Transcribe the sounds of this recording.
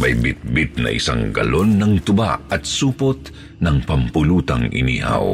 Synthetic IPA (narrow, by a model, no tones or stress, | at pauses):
mɐjbɪt̪̚bɪt̪̚nɐ̰ʔɪsa̰ŋɡɐlonːɐŋt̪ʊba̰ʔɐt̪suːpot̪̚ | nɐŋpɐmpʊluːt̪ɐŋɪ̰niːha̰w